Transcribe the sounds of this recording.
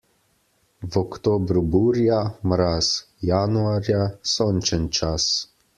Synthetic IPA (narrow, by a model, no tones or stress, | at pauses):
vɔkt̪oːbɾubuɾjamɾas | januaɾjasoːnt͡ʃɛnt͡ʃas